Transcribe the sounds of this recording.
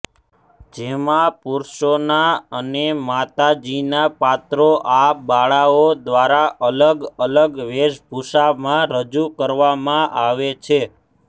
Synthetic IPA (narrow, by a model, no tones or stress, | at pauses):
d͡ʒemãpuɾʃonaənemat̪ad͡ʒinapat̪ɾoʔabaɭaod̪ʋaɾaʔələɡələɡʋeʃbʱuʃamãɾəd͡ʒukəɾʋamãʔaʋet͡ʃʰe